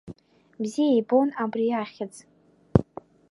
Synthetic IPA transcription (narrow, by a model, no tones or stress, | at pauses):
bzijajbo̞nabriaχʲɪd͡z